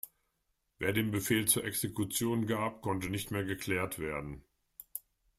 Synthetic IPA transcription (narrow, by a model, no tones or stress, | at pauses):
veːɐdeːmbəfeːlt͡suːɐʔɛksekʰut͡sjoːnɡaːpkʰɔntənɪçtmeːɐɡəkl̥ɛːɐtv̥eːɐdn̩